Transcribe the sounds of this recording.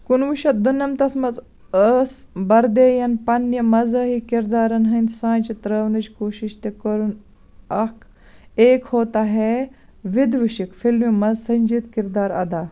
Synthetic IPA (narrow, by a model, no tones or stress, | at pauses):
kunʋuʃɐt̪̚d̪unːɐmt̪ɐsmɐz | əsbɐɾd̪eːjɐnpɐnjɐmɐzɐːɦikiɾd̪aːɾɐnɦɐnsãːnt͡ʃit̪ɾɐːʋnɐt͡ʃkoːʃiʃt̪ekɐɾun | ɐkʰ | eːkhoːt̪aːɦe | ʋid̪ʋiʃikfilmimɐzsɐɲʲd͡ʒit̪kiɾd̪aːɾɐd̪aː